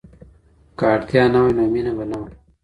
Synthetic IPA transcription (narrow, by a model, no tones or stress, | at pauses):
kaːʈt̪jaːnɐwɐnoːminɐbɐnɐwɐ